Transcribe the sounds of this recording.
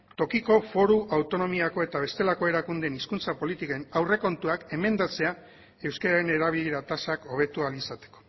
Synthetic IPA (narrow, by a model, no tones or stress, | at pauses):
t̪o̞kiko̞fo̞ɾuʔawt̪o̞no̞miako̞e̞t̪aβ̞e̞st̪e̞lako̞e̞ɾakund̪eniskunt͡sapo̞lit̪ikaenawre̞ko̞nt̪uake̞me̞nd̪at͡se̞a | e̞wskaɾaɾe̞ne̞ɾaβ̞iliɾat̪asako̞β̞e̞t̪ualisat̪e̞̥ko̥